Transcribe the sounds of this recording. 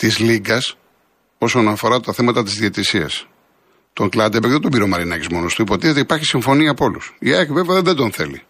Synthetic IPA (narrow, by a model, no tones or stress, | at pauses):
t̪izliɡɐs | o̞so̞nɐfo̞ɾɐt̪ɐθe̞mɐt̪ɐt̪izðiet̪isiɐ̰s | t̪o̞ŋklɐt̪d̪epekt̪ot̪obiɾo̞mɐɾinɐcizmo̞nost̪uipo̞t̪iθet̪eipɐɾçisiɱfo̞niɐpo̞lusiɐçveveɐððed̪o̞nθe̞̰lḭ